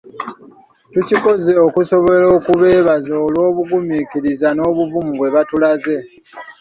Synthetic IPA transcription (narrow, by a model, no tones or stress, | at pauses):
tuciko̞zeokuso̞βo̞lo̞ːkuβe̞ːβazoːlwo̞ːβuɡumikiɾizano̞ːβuvumuɡwe̞βatulaze̞